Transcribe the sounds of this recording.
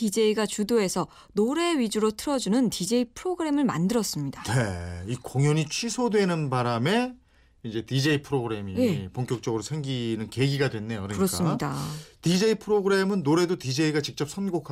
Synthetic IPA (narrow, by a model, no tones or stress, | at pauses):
tid͡ʑe̞iɡat͡ɕudoe̞sʰʌ | noɾe̞ɥid͡ʑuɾotʰɯɾʌd͡ʑunɯntid͡ʑe̞ipʰɯɾoɡɯɾe̞mɯɭma̰ndɯɾʌs͈ɯmɲidane̞ikoŋjʌɲit͡ɕʰɥisʰodwe̞nɯnbaɾame̞ | id͡ʑe̞tid͡ʑe̞ipʰɯɾoɡɯɾe̞miepoŋk͈jʌk̚t͡ɕ͈ʌɡɯɾosʰe̞ŋɡinɯnke̞ɡiɡadwe̞nːe̞jokɯɾʌkɯɾʌskaɯmidatid͡ʑe̞ipʰɯɾoɡɯɾe̞mɯnːoɾe̞dotid͡ʑe̞iɡat͡ɕik̚t͡ɕ͈ʌp̚sʰʌnɡokʰa